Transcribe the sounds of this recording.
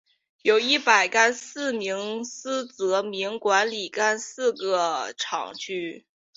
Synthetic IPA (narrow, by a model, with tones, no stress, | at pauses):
jo˨˩ʊi˥˩pa˨˩ɪka˥nsɹ̩˥˩mi˧˥ŋsɹ̩˥t͡sɤ˧˥mi˧˥ŋkwa˧˥nli˨˩ka˥nsɹ̩˥˧ɡə˩ʈ͡ʂʰɑ̰˨˩ŋt͡ɕy˥˩